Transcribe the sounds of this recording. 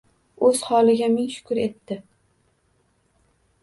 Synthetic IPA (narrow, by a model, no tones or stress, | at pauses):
ɵz̥hɒlˠɪɡʲamɪŋʃʊ̥kʰʊɾe̞t̪ːɪ